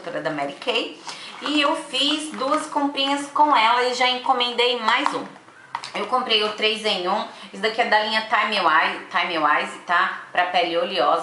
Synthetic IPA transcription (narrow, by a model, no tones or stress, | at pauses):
t̪oɾɐd̪ɐmɛɾikejɪewfizd̪uɐskõpɾĩɲɐskõw̃ɛlɐɪʒaẽkõmẽnd̪ejmajzũ | ewkõmpɾejʊt̪ɾejzẽjũɪsd̪akiɐd̪alĩɲɐt̪ajmewajt̪ajmewajzɪt̪apɾɐpɛlioliɔz